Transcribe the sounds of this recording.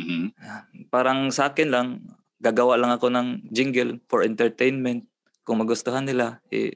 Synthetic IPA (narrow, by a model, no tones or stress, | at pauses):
m̩ | paːɾaŋsaʔaːkɪnlaŋ | ɡaɡawaʔlaŋɐkonɐŋd͡ʒɪŋɡɛlfoɹʔɛnt̪ɛɹt̪ejnmɛnt̪̚ | kʊŋmɐɡʊst̪oɦanːɪlaɛ̰